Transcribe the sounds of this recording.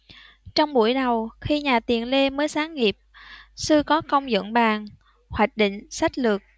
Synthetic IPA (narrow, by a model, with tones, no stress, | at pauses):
t͡ɕɔ˧wŋ͡mɓu˧˩əjɗə˨˩wxi˧ɲaː˨˩t̪i˨˩ənle˧məː˨˦jsaː˨˦ŋŋi˨˩əp̚sɨ˧kɔ˨˦kə˧wŋ͡mzə̰˧˨nɓaː˨˩ŋ | hwaː˨˩jk̟̚ɗḭ˧˨ŋ̟sa˦˥k̟̚lɨ˨˩ək̚